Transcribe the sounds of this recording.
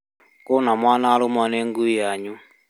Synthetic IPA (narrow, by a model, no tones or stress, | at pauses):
konamwaːnaɾumanɛŋɡuijaɲu